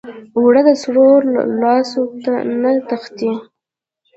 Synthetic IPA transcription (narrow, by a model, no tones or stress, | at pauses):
wɽəd̪əsɽoɾlɑsot̪anat̪əxt̪i